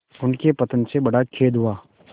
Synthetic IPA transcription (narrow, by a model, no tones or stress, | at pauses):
ʊnkepɐt̪ənsebɐɽakʰeːd̪ɦuaː